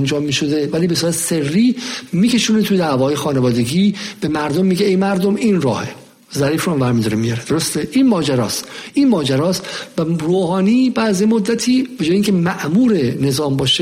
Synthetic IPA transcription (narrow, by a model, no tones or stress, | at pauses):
nd͡ʒɒːmːiːʃod̪evæliːbe̞suɾæt̪ʰserːiːmiːcʰe̞ʃuːnet̪ʰud̪æːvɒːje̞xɒːnevɒːd̪e̞ɡiːb̥e̞mæɾd̪omːiːɟeejmæɾd̪ominɾɒ̰ːhḛ | zæɾiːfɾuhæmvæɾmid̪ɒɾemijɒɾed̪̥o̞ɾost̪eʔinmɒːd͡ʒæɾɒːst̪ʔinmɒːd͡ʒæɾɒːst̪væroːhɒːniːbææzjemod̪ːæt̪ʰiːb̥e̞d͡ʒɔːjeiŋcʰemæʔmuːɾe̞ne̞zɒːmbɒːʃe